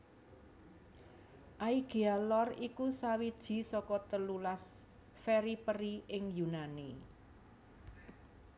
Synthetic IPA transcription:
ʔaiɡ̥ialɔrikusawid̥ʒ̥i̤sɔkɔt̪əlulas | fɛɾipəɾiɪŋjunani

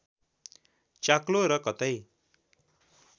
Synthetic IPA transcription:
t͡ʃakloɾʌkʌt̪ʌj

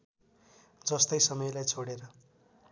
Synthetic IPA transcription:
d͡zʌst̪ʌjsʌmʌjlajt͡sʰoɽeɾʌ

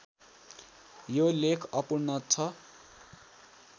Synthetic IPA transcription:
jolekʰʌpuɽnʌt͡sʰʌ

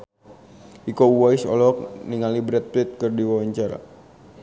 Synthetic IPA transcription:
ʔikouwasɔ̰lɔk̚niŋalibɾɛt̪̚plɪt̪̚kərdiwawaɲt͡ʃaɾa̰

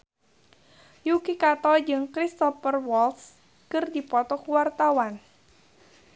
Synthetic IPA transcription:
jukikat̪ɔd͡ʒɨŋkɾist̪ɔpərwɔls | kɨrdipɔt̪ɔkuwart̪awan

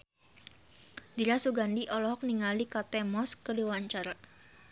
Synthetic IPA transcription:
diɾasuɡandiʔɔlɔɦɔk̚niŋalikat̪ɛmɔskədiwaɲt͡ʃaɾa

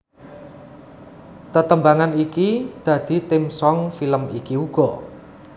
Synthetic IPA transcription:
t̪ət̪əmbaŋanikid̪̥a̤d̪̥i̤t̪ɪmsɔŋfiləmikiuɡ̥ɔ̤

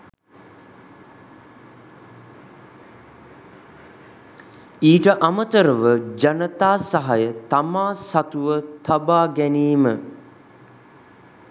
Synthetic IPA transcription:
iːʈəʔamət̪əɾəʋəd͡ʒanət̪aːsaɦajət̪amaːsat̪uʋət̪abaːɡæniːmə

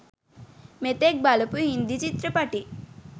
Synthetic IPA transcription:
met̪eːk̚balɐpuɦind̪it͡ʃit̪ɾɐpɐʈi

